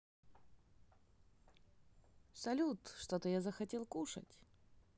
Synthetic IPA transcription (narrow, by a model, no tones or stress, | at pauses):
sɐlʲut̪ʂt̪ot̪əjazəxɐtʲelˠkuʂə̰tʲ